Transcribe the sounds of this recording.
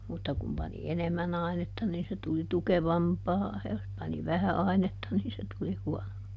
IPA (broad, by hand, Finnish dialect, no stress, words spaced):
mutːɑ kum pɑni enemːæn ɑinetːɑ niːn se tuli tukeʋɑmpɑː jɑ jos pɑni ʋæhæ ɑinetːɑ niːn se tuli huɔnompɑː